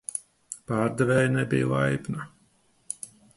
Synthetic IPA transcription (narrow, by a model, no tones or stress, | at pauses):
paːɾd̪ɛvɛːjnɛbḭjlˠajbna